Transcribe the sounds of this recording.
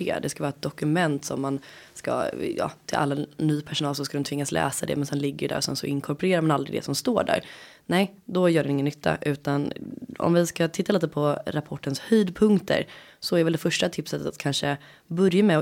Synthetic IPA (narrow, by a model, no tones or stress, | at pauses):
d̪ɛskavɑːɾɛt̪̚d̪ɔkɵmɛnt̪sɔmːan | ska̰jɑ̰ːt̪ʰɪlʔa̰lːanyːpʰæʂʊnɑːlsɔskad̪ɛnt̪vɪŋːaslʔɛ̰ːsad̪ɛ̰mɛnsɛnlɪɡːəɖæ̰ɾɔsɛnsɔɪŋkʰɔɾpɔɾeːɾaɾmanald̪ɾɪd̪ɛ̰sɔmst̪oːɖæ̰ːɾ | nɛj | d̪ɔjœːɖɛnɪŋənːʏt̪ʰːa̰ʔʉ̟ːt̪anɔ̰mvɪskat̪ʰɪt̪ːaliːt̪əpʰɔɾapʰɔʈːənshyːd̪pʰɵŋkt̪ʰə̰ɾsɔæɾvɛld̪ɛfœʂʈat̪ʰɪpsət̪ːət̪a̰t̪̚kʰanʂə | bɵɾjamɛ